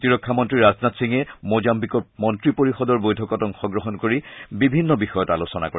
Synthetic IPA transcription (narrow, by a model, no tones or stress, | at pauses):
tiɹɔkʰːamɔntɹiɹaznatsiŋɛmozambikɔɹmɔntɹipoɹixɔdɔɹbojdʱɔkɔtɔŋxɔɡɹɔɦɔnkoɹibibʱinːɔbixɔjɔtalosɔna̰kɔɹɛ